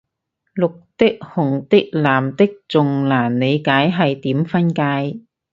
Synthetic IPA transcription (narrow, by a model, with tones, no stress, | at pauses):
lʊ˨k̚t̪ɪ˥k̚hʊ˨˩ŋt̪ɪ˥k̚laː˨˩mt̪ɪ˥k̚t͡sʊ˨ŋlaː˨˩nːe˨˧jkaː˨˥jɦɐ˨jt̪iː˨˥mfɐ˥nkaː˧j